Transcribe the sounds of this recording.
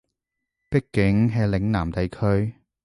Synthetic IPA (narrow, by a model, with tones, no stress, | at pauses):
pɪ˥kːɪ˨˥ŋɦɛː˧lɪ˨˥ŋnaː˨˩mt̪ɐ˨jkʰɵ˧˥ɥ